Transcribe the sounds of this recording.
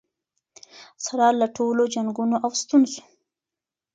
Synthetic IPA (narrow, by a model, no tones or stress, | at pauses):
saɾɑlaʈʰolod͡ʒaŋɡunoʔawst̪unzo̥